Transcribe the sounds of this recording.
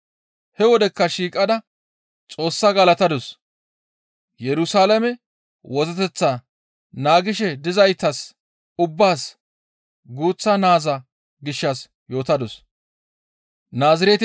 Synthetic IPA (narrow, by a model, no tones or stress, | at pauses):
hɛwɔd̪ɛkːɐʃiːkʼɐd̪ɐ | t͡sʼo̞ːsːɐɡɐlɐt̪ɐd̪ɔs | jɛɾʊsaːlɐmɛ | wɔzɐt̪ɛt͡sːɐ | naːɡɪʃ̬ɛd̪ɪzɐjt̪ːɐs | ʊbːaːs | ɡuːt͡sːɐnaːzɐ | ɡɪʃːɐs | jo̞ːt̪ɐd̪ɔs | naːzɪɾet̪